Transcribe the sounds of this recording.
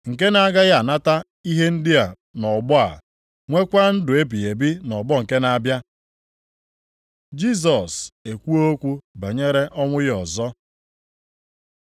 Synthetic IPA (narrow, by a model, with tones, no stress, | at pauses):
ŋ̩˨k̬e˦na˦ɡa˦ɣa˦˨na˦ta˦ | i˦ɦe˦n̩˦dɪ˦a˨ | nɔ˨ɡ͡bʊ˦a̰˨ | ŋʷe˦kʷa˦n̩˦dʊ˨e˦bi˨e˨bi˦nɔ˨bɔ˦ŋ̩˨ke˦na˦bja˦ | d͡ʒi˦s̬ɔ˨se˨kʷu˦o˦kʷu˦ba˨ɲe˦ɾe˦ʔɔ˦ŋʷʊ˦jɔ˨zɔ˦